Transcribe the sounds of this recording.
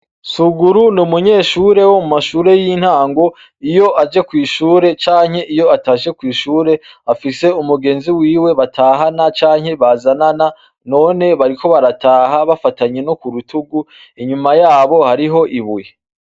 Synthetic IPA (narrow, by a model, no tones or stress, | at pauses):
suɡuɾunumuɲe̞ːʃuːɾe̞wo̞mumaʃuːɾe̞jin̥haːŋɡo̞ | ijo̞ʔad͡ʒe̞kwiːʃuːɾe̞t͡ʃaːɲhe̞ʔijo̞ataːʃe̞kwiːʃuːɾe̞afise̞umuɡe̞ːnziwiːwe̞βatʰaːɦanat͡ʃaːɲ̥he̞βazanana | no̞ːne̞βaɾikʰo̞βaɾataːɦaβafataɲe̞no̞kuɾutʰuɡu | iɲumajaːβo̞haɾiɦo̞ʔiβuje